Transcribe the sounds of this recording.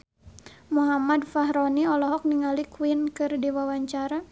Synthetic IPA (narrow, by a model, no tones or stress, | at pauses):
muɦamadfaɦɾɔniɔlɔɦɔk̚niŋalikuinkɨrdiwawaɲt͡ʃaɾa